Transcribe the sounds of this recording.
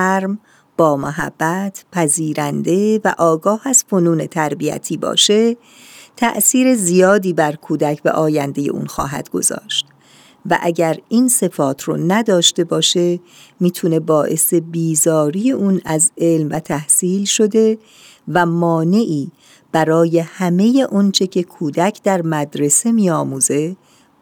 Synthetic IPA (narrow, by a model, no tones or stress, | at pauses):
ɾm | b̥ɒːmoɦæ̰bːæt̪ʰpʰæziːɾænd̪e̞væʔɒːɡɒːhæz̥fonuːne̞t̪ʰæɾbiæ̰t̪ʰiːbɒ̰ːʃe̞ | t̪ʰæ̰ʔsiːɾe̞zijɒːd̪iːbæɾkʰuːd̪æcʰbḛʔɒːjænd̪e̞je̞ʔṵːnxɒ̰ːɦæ̰d̪̥ɡo̞̰zɒ̰ːʃt̪ | væ̰ʔæɟæɾiːnse̞fɒːt̪ʰɾɔ̰ːnæd̪ɒːʃt̪e̞bɒːʃe̞ | miːt̪ʰune̞bɒːʔe̞se̞biːzɒːɾiːje̞ʔuːnæzʔe̞lmvæt̪ʰæhsiːlʃo̞d̪e̞ | væmɒːne̞ʔiː | b̥æɾɒːje̞hæme̞je̞ʔont͡ʃʰe̞cʰe̞kʰuːd̪æcʰd̪æɾmæd̪ɾe̞se̞miːɒːmuːze̞